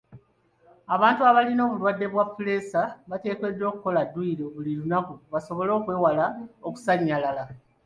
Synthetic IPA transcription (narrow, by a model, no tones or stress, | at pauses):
aβaːntuaβalino̞ːβulwadːe̞βwafule̞ːsaβate̞ːke̞dːo̞ːkuko̞ladːuiɾoβuliɾunakuβaso̞βo̞lo̞ːkwe̞ːwalaoku̥saɲːalala